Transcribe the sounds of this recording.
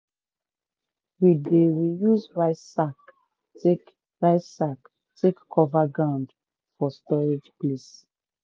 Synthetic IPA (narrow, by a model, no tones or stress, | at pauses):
widewijuzɹaɪssak | te | ɹaɪsak | tʰekkʰɔvaɡɹãʊ̃nd | fɔstɔɹed͡ʒples